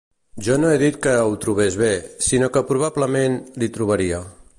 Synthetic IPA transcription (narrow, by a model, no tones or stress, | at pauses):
ʒɔnoeðit̪̚kəwt̪ɾuβezβesinokəpɾuβ̞abləmenlit̪ɾuβ̞əɾiə